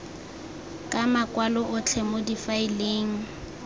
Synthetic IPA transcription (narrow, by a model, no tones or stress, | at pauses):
kʼamakʼwalɔʔʊt͡ɬʰɛmodifaileːŋ̩